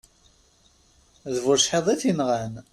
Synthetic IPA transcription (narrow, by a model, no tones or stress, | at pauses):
ðvʊɾʃħeðˤiθinʁæn